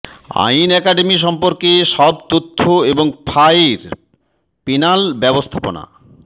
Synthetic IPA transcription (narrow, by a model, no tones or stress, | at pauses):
a̰jnɛkaɖemiʃ̬ɔmpoɾkeʃɔbt̪ot̪ʰːoeboŋfʰajɾ | pinalbɛbost̪ʰapo̰na̰